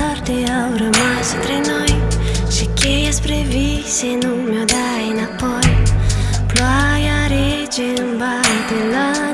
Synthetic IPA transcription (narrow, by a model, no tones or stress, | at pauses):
ɔɾd̪eɔwɾɐmast̪ɾenɔojʃekejɐspɾevi | senumewd̪a | jnapɔj | plɔjaɾe | d͡ʒɪnũbajt̪elɔ